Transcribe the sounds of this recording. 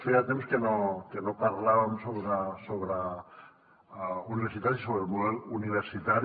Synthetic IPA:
fejat̪emskenokenopaɾlaβamsoβɾasoβɾa | uniβeɾsit̪aɾisoβɾemoðeluniβ̞eɾsit̪aɾ

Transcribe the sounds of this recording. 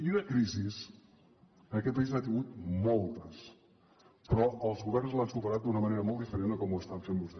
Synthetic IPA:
iunəkɾizis | ənəkɛt̪̚pəizat̪iŋɡut̪mɔlˠt̪əs | pɾɔəlˠzɣuβ̞ɛrnzlansupəɾat̪̚d̪unəməneɾəmɔlˠt̪ifəɾend̪əkɔmuəst̪amfembuzɛ

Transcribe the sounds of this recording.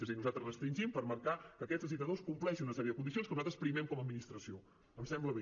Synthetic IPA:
əzinuzat̪ɾəzrəst̪ɾinʲʒimpəɾməɾkakəːkɛd͡zzəzit̪əðoskumplɛʃinunəsɛɾjəðəkund̪isionskənuzat̪ɾəspɾimɛmkɔməd̪minist̪ɾəsio | əmsɛmbləβe

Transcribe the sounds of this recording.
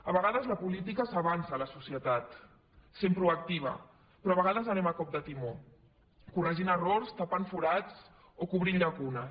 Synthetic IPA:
əβəɣaðəzləpulit̪ikəsaβansaːləsusijət̪at̪ | sempɾuɐk̚t̪iβ̞ɐ̰ | pɾɔaβəɣaðəzənɛmakɔb̚d̪ət̪imo | kurəʒinəroɾst̪apaɱfuɾat͡s | okuβɾiʎʎakunə

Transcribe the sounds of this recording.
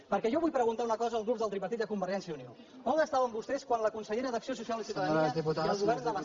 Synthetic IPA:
pəɾkɛʒɔβujpɾəɣunt̪aunəkɔzəːlˠɣɾup̚ðəlˠt̪ripət̪it̪əkumbəɾʒɛnsiəunio | koməst̪aβəmbust̪ɛskwanləkunsəʎeɾəðəksios̬usialˠinsituðiput̪aəlɣuβɛɾnzd̪ələ

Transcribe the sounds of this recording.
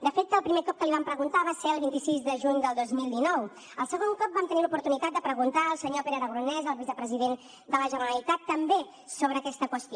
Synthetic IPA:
d̪əfet̪ːəlˠpɾimekɔp̚kəliβampɾəɣunt̪aβaseɾəlˠβint̪isizd̪əʒuɲd̪əlˠd̪ozmilˠd̪inɔw | əlˠsəɣoŋkɔp̚bamt̪ənilupuɾt̪unit̪at̪̚d̪əpɾəɣunt̪aəlˠsəɲopeɾəɾəɣɾunɛzəlˠβizəpɾəziðen | d̪ələʒənəɾəlit̪at̪ːəmbe | soβ̞ɾəːkɛst̪əkwəst̪i

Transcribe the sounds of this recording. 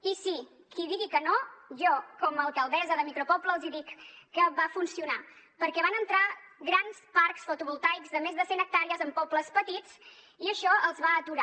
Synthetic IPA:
isi | kʰiðiɣikənoʒɔkɔməlˠkəlˠðɛzəðəmikɾupɔpləːlˠziðikːəβafunsiuna | pəɾkɛβanənt̪ɾaɣɾanspaɾksfut̪uβulˠt̪ajkzðəmezðəsenək̚t̪aɾiəzəmpɔpləspət̪it͡s | iəʃɔəlˠzβaət̪uɾa

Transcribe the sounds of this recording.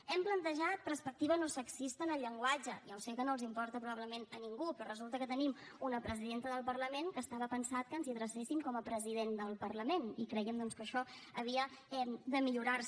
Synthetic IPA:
ɛmplənt̪əʒat̪̚pɾəɾspək̚t̪iβənosəksist̪əːnəʎːəŋɡwad͡ʒəjawsekənolˠzimpɔɾt̪əpɾuβaβləmenəniŋɡupɾɔrəzulˠt̪əkət̪ənimunəpɾəziðent̪əðəlˠpərləmenkəst̪aβəpənsat̪̚kəːnziəðɾəsesiŋkɔməpɾəziðend̪əlˠpərləmenikɾɛjəmd̪ɔnskəʃɔəβ̞iəɛmd̪əmiʎuɾars

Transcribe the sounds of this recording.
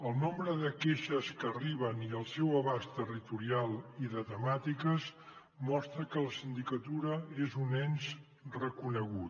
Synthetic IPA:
əlˠnombɾəðəkeʃəskəːriβ̞əniəlˠsɛwəβast̪ərit̪uɾialˠiðət̪əmat̪ikəz | mɔst̪ɾəkələsind̪ikət̪uɾəezunɛnz | rəkunəɣ̞ut̪

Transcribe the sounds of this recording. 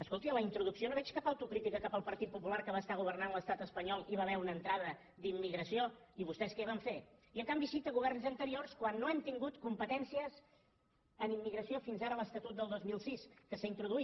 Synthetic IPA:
əskolˠt̪iləint̪ɾuðuksionoβɛt͡ʃkapəwt̪ukɾit̪ikəkapəlˠpəɾt̪it̪̚pupulaɾkəβast̪aɣ̞uβ̞ərnanləst̪at̪əspəɲɔlˠiβaβɛunənt̪ɾaðə | d̪imːiɣɾəsioiβust̪ɛskɛβaɱfeiəŋkambisit̪əɣuβ̞ɛrnzənt̪əɾiorskwanːoɛmt̪iŋɡut̪kumpət̪ɛnsiəz | ənimːiɣɾəsofinzaɾələst̪ət̪ut̪̚d̪əlˠd̪ozmilˠsiskəsaint̪ɾuðui

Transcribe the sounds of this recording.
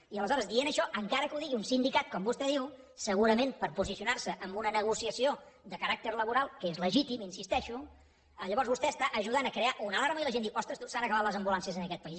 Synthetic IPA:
iələzɔɾəzd̪ienəʃɔʔəŋkaɾəkəuðiɣiunsind̪ikat̪̚kɔmbust̪ɛðiw | səɣuɾəmẽnpəɾpuzisiunarsəʔəmbunənəɣusiəsio | d̪əkəɾak̚t̪əɾləβ̞uɾalˠkəezləʒit̪iminsist̪ɛʃu | əʎəβɔɾzβust̪ɛəst̪aʔəʒuðanəkɾeaʔunəlaɾməiləʒend̪iwʔɔst̪ɾəst̪usanəkəβat̪ləzəmbulansiəzənəkɛt̪̚pəis

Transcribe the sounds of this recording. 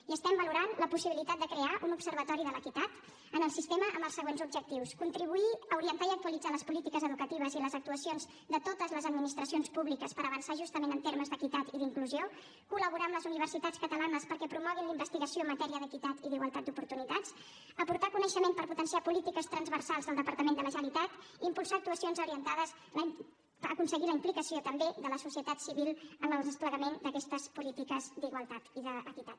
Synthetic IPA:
iəst̪ɛmbəluɾanləpusiβilit̪at̪̚d̪əkɾeaʔunupsəɾβət̪ɔɾiðələkit̪at̪ | ənəlˠsist̪eməʔəmbəlˠsəɣwenzubʒək̚t̪iwskunt̪ɾiβ̞uiəuɾiənt̪aiək̚t̪uəlid͡zaləspulit̪ikəzəðukət̪iβəziləzək̚t̪uəsionz | ðət̪ot̪əzləzəd̪minist̪ɾəsionspuβlikəspəɾəβənsaʒust̪əmenənt̪eɾməzðəkit̪at̪iðiŋkluzio | kuləβuɾamləzuniβ̞ərsit̪at͡skət̪əlanəspəɾkɛpɾumɔɣ̞inləimbəst̪iɣəsiomːət̪ɛɾiəðəkit̪at̪iðiɣwəlˠt̪at̪̚d̪upuɾt̪unit̪at͡s | əpuɾt̪akunəʃəmempəɾput̪ənsiapulit̪ikəst̪ɾənzβəɾsalˠzðəlˠd̪əpəɾt̪əmend̪ələʒəlit̪at̪ | iːmpulˠsaːk̚t̪uəsionzuɾiənt̪aðəz | əkunsəɣiləimplikəsiot̪əmbeðələsusiət̪at̪siβilˠəməlˠðəspləɣəmend̪əkɛst̪əzpulit̪ikəzd̪iɣwəlˠt̪at̪iðəːkit̪at̪

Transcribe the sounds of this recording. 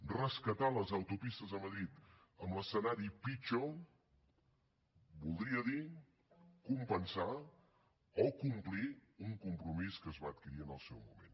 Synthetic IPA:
rəskət̪aləzəwt̪upist̪əzəməðɾit̪ | əmləsənaɾipit͡ʃo | bulˠd̪ɾiəði | kumpənsa | ɔkumpliuŋkumpɾumiskəzβaət̪̚kiɾiənəlˠsɛwmṵmḛn

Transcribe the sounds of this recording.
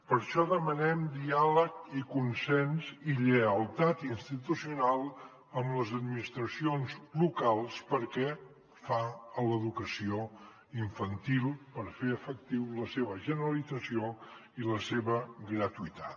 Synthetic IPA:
pəɾʃɔðəmənɛmd̪ialəkikunsɛnziʎəəlˠt̪at̪inst̪it̪usiunalˠ | əmləzəd̪minist̪ɾəsionzlukalˠspəɾkɛ | faələðukəsio | iɱfənt̪ilˠpəɾfeəfək̚t̪iwləseβəʒənəɾəlidd͡zəsioiləseβəɡɾət̪uit̪at̪

